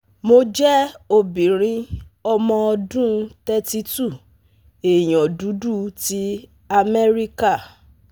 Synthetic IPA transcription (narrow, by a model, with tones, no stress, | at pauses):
mo˧d͡ʒɛ˦o˧bĩ˨ɾ̃ĩ˨˦ɔ˧mɔ̃˧ɔ˧dũ˦tɛ˦ti˧tu˦˨ | e˨j̃ɔ̃˨du˨˦du˦˨ti˦ | a˧mɛ˦ɾi˦ka˦˨